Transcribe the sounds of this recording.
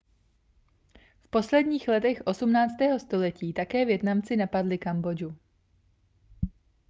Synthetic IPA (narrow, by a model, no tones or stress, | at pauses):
fpo̞slɛdɲiːxlɛt̪ɛxʔo̞sumnaːt͡st̪ɛːɦo̞st̪o̞lɛciːt̪akɛːvjɛt̪namt͡sɪnapadlɪkambo̞d͡ʒu